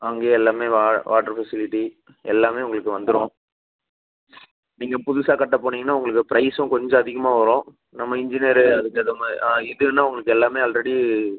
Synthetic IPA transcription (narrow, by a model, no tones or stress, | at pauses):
ɐŋɡeːɛlːaːmeːʋaːʋaːʈɐɾfɛsɪlɪʈːi | ɛlːaːmeːʊŋɡɐɭɯkːɯʋɐnd̪ɯɾõː | niːŋɡɐpʊðʊsaːkɐʈːɐpːoːɳːiːŋɐnːaːʊŋɡɐɭɯk̬ːɯpɪɾɐɪsʊ̃kɔɲd͡ʒɔ̃ɐðɪɣɐmaːʋɐɾõː | nɐmːɐɪɲd͡ʒɪneːɾɯɐðɯkːɯɐðɐmaɛðɯnːaːʊŋɡɐɭɯkːɯɛlːaːmeːalɾɛɽi